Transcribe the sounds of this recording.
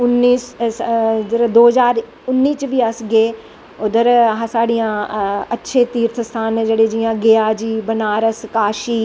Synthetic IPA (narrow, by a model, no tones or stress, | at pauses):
ʊnːiːs | d̪əɾd̪oːɦəzaːɾ | ʊnːiːt͡ʃʋiːəsɡeː | ʊd̪əɾɦãsaːɽijãːətːʃʰeːt̪iːɾt̪ʰəst̪ʰaːnd͡ʒeːɽeːd͡ʒɪjãːɡɪaːd͡ʒiːbənaːɾəskaːʃiː